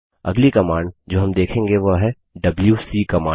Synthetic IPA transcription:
ɐ̰ɡlikɐmaːɳɖd͡ʒoːɦɐmd̪eːkʰẽːŋɡeʋoɦɛ | ɖɐbljuːsikɐmãː

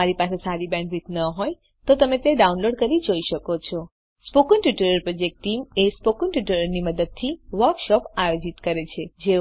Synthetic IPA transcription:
aɾipasesaɾibɛ̃ɳɖʋit̪nəɦoj | t̪ot̪əmet̪eɖaunloɖkəɾid͡ʒoiʃəkot͡ʃʰɔ | spokənʈjuʈəɾəɾpɾɔd͡ʒek̚ʈʈimespokəɳʈiʈəɾəɾniməd̪əd̪̚t̪ʰiʋəɾkʃɔpajod͡ʒit̪kəɾet͡ʃʰed͡ʒe

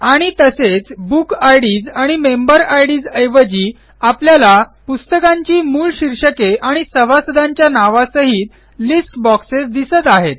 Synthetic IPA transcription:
aɽ̃it̪əset͡sbukʰajɽiːd͡zaɽ̃imembəɾajɽiːd͡zəjʋəd͡ʑiː | apljalapust̪əkãɲt͡ɕiːmuːlɕiɾɕəkeaɽ̃isəʋasəd̪ʱãɲt͡ɕjanaʋasəɦit̪ | lisʈbɔksesd̪isət̪aɦet̪̚

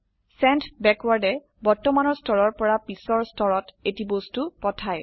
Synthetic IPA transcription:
sɛntbɛkwaɹdɛ | bɔɹtɔmanɔɹstʰɔɹɔɹpɔɹapisɔɹstʰɔɹɔtetibostupɔtʰaj

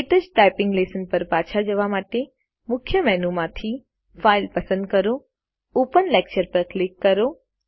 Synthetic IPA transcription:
eʈ̪əd͡ʒʈajpɪ̃ŋɡlesənpəɾpaːt͡ʃʰad͡ʒəʋamaʈe | mʊkʰjəmɛnumãt̪ʰi | faɪlpəsə̃nd̪̚kəɾo | oːpənlek̚t͡ʃəɾpəɾklɪkːəɾo

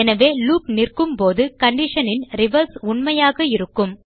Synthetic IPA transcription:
ɛnɐʋeːluːpnɪrkɯmpoːðɯkɐɳɖɪʂɐnɪnɾɪʋɐɾsʊɳmɐjaːɣɐɪɾɯkːɯm

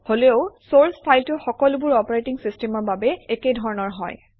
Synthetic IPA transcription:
holeʊsoɹspʰajltʊxɔkɔlʊbʊɹɔpɔɹetiŋsistemɔɹbabɛekedʱɔɹɔnɔɹɦɔ̰j

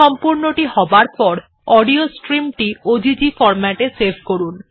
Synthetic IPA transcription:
ɔmpuɾnoʈiɦɔbaɾpɔɾ | ɔɖiosʈɾimʈiod͡ʑid͡ʑifɔɾmaʈesebʱkoɾun

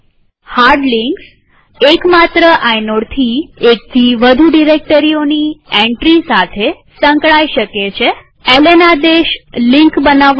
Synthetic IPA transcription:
haɾɖliŋks | ekmat̪ɾəʔajnoɽt̪ʰiek̚t̪ʰiʋəd̪ʱuɖiɾek̚ʈəɾionieɳʈɾisat̪ʰe | səŋkɭajʃəket͡ʃʰe | elenad̪eʃliŋkbənaʋ

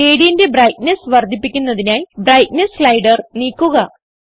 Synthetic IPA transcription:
eːɽijinde̞brɐjt̚nesʋɐrd̪ʱːipːikʲːunːɐðinaːjbrɐjt̚neslɐjɽɐrniːkːuɣɐ

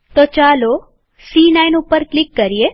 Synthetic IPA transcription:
t̪ot͡ʃalo | siːnainupəɾklɪkːəɾie

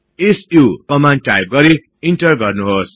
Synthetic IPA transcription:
esukʌmanʈajb̚ɡʌɾi | inʈʌrɡʌrnuɦos

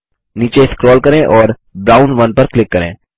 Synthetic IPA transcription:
niːt͡ʃeɪskɾɔːlkɐɾẽʔɔːɾ | bɾaːʊnʋɐnpɐɾklɪkːɐɾḛ̃ː

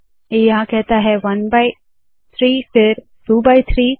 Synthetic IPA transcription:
ejɐɦãkɛɦt̪aɦɛʋɐnbaːɪ | t̪ʰɾiːfɪɾ | ʈuːbaːɪt̪ʰɾiː

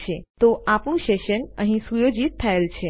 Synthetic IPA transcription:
t͡ʃʰet̪oʔapɳũʃeʃənəɦĩsujod͡ʒit̪ʰːaelt͡ʃʰe

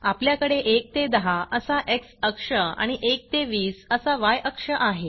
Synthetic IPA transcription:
apljakəɽeʔek̚t̪ed̪əɦaʔəsaʔeksəkʂəa̰ɽ̃iʔek̚t̪eʋiːsəsaʋajəkʂəʔaɦe

